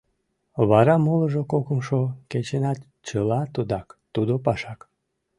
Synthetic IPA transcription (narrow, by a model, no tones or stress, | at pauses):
βɑɾɑmoləʒokokəmʃoket͡ɕenɑt̪ | t͡ɕəlɑt̪ud̪ɑkt̪ud̪opɑʃɑk